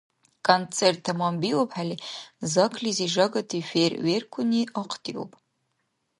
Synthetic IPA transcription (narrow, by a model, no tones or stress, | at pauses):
kʼont͡sʰʼertʰːamambiwopʰʼħalizakʰliziʐaɡatʰiferɥerkʷʰʊniʔaqʰtʰʼiwo̰pʼ